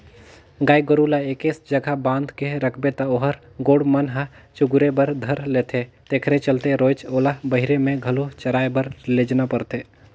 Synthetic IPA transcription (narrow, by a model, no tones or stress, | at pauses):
ɡaːjɡəɾuːlaeːkesd͡ʒəɡʱabãːnd̪ʱkeɾəkʰbet̪aoɦəɾ | ɡoːɽmənɦa | t͡ʃʊɡʊɾebəɾd̪ʱəɾleːt̪ʰe | t̪eːkʰɾet͡ʃəlt̪eɾoːt͡ʃoːlabəɦɪɾemẽɡʱəlot͡ʃəɾaːebəɾled͡ʒnapəɾt̪eː